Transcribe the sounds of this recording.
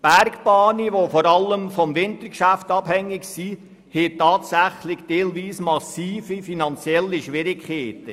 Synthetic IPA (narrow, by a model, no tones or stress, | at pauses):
b̥æɾkb̥ɑːniʋofɔɾɑlːəmfɔmvɪntəɾkʃæftɑphɛŋːɪksi | hetːɑːtsæχlɪçd̥eːlviːsmɑsiːfifinɑnt͡sjɛlːiʃʋɪɾɪkχeːtə